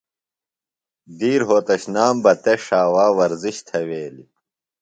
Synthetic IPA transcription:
d̪iːɾɦoːt̪ɐɕnaːmbɐt̪eʂaːwaːwɐɾziɕt̪ʰɐweːlḭ

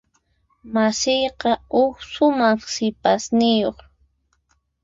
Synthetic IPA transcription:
masɪjqɑʊxsʊmaχsɪpasnɪjoχ

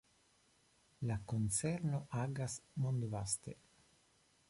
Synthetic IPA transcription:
lakont͡seɾno̞ʔaɡasmond̪vast̪e

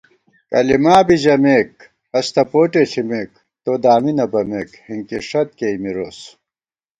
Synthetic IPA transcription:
kɐ̰limaːbiʑɐmeːk̚ | ɐst̪ʰɐpoːʈet͡ɕʰimeːk | t̪od̪aːminɐbɐmekhiŋkiʂɐt̪̚keimiɾoːs

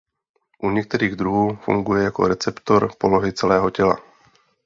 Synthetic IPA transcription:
ʔuɲɛk̚t̪ɛɾiːɣd̪ɾuɦuːfṵŋɡujɛjako̞̰ɾɛt͡sɛpt̪o̞ɾpo̞loɦɪt͡sɛlɛːɦocɛla̰

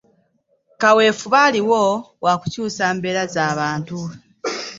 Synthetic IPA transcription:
kawe̞ːfuβaliwo̞wakucuːsaːmbe̞ːɾazaːβaːntu

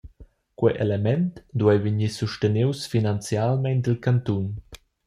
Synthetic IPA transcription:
kwɛjʔḛlemɛnt̪d̪uɛjviɲisuʃtəniwsfinant͡sjalmɛnd̪əlkant̪un

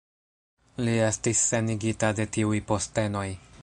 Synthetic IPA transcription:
lie̞stisːe̞niɡitade̞tiujpo̞ste̞no̞j

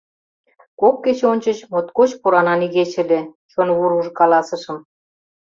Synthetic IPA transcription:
kokːet͡ɕonʲt͡ɕə̆t͡ɕmot̪kot͡ɕpuɾɑnɑniɣet͡ɕɘ̆lʲĕt͡ɕonβuɾuʒɤ̆kɑlɑsə̆ʃə̆m

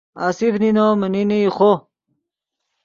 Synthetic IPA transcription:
asifninoməniniiχo

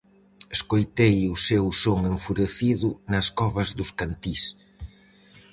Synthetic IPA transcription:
eskojt̪ejʊsewsoŋeɱfuɾeθiðʊnɐskɔβɐzðʊskant̪is

